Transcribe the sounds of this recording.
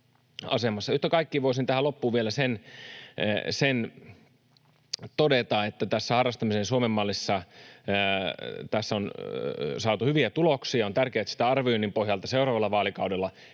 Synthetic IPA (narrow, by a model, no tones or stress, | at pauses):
ɑ̰semɑsːɑyht̪ːækɑikːiʋoisint̪æhælopːuːʋielæsen | sen | t̪odet̪ɑet̪ːæt̪æsːæhɑrːɑst̪ɑmisensuomemːɑlːisːɑ | t̪æsːæon | sɑːt̪uhyʋiæt̪uloksiɑont̪ærkeæt̪si̥t̪æɑrʋioinːimpohjɑlt̪ɑseurɑːʋɑlːɑʋɑːlikɑudelːɑ